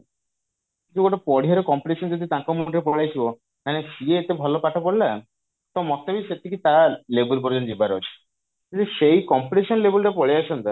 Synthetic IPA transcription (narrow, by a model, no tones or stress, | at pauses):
kit͡ʃʰuɡoʈopɔɽ̤iaɾekɔmpiʈeʃɔnd͡ʒɔd̪ʱit̪ãkɔmuʈɾepɔɭajt͡ʃʰibɔ | kanesieːt̪ebʱɔlopaʈʰɔpɔɽla | t̪ɔmɔt̪ːabiset̪ikit̪alebulpɔɾd͡ʒɔnd͡ʒibaɾo̰t͡ʃʰi̥ | it̪eʃejkɔmpiʈeʃɔnlebulʈapɔɭijat͡ʃʰɔnt̪a